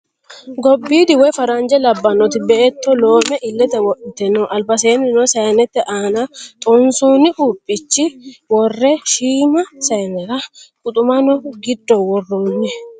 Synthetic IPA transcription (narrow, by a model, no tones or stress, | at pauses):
ɡɔbːiːd̪ɪwɔjfɐɾɐnd͡ʒɛlɐbːɐnɔt̪ɪbɛʔɛt̪ːɔlo̞ːmɛʔɪlːɛt̪ɛwɔʔɪt̪ɛnːɔʔɐlbɐseːnːɪnɔsɐjɐnɛt̪ːɛʔaːnɐt̪ʼɔnsɔnɪʔuːpʼːɪt͡ʃːɪwɔrːɛʃiːmɐsɐjnɛɾɐkʼʊt̪ʼʊmɐnɔɡɪd̪ːɔwɔrːuːnːɛ